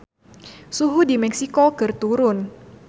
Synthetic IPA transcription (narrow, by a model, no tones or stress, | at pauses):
suɦudimɛksikokɨrt̪uɾʊn